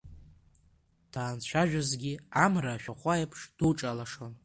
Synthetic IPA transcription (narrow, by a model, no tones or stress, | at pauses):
d̥ʰaːnt͡ɕʷʰaʒᶣazɡʲiamraʃᶣaχʷajpʰʂd̥uʈ͡ʂʼalaʂo̞n